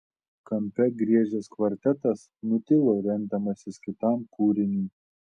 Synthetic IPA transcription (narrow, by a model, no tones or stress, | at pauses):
kɐmʲpʲɛɡɾʲiɛʒʲɛːskʋɐɾʲt̪ʲɛt̪ɐs | nʊt̪ʲɪlˠoːɾʲɛnʲˑd̪ʲɐmɐsʲɪskʲɪt̪ɑˑmkuːɾʲɪnʲuː